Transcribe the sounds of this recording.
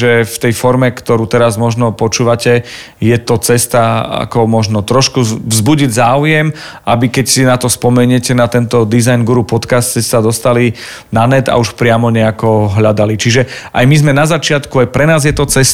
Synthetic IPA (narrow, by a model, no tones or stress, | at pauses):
ʒɛft̪ɛjfɔɾmɛkt̪ɔɾuːt̪ɛɾazmɔʒnɔpɔt͡ʃuːʋacɛ | jɛt̪ɔt͡sɛst̪aa̰kɔmɔʒnɔt̪ɾɔʃkuvzbuɟiɟzaːujɛmʔabikɛcsinat̪ɔspɔmɛɲɛcɛnat̪ɛnt̪ɔd̪izajnɡuɾupɔt̪kast̪sɛsad̪ɔst̪ali | nanɛd̪a̰uʃpɾɪamɔɲɛakɔɦʎad̪alit͡ʃiʒɛʔajmizmɛnazat͡ʃɪat̪kuajpɾɛnaːzjɛt̪ɔt͡sɛs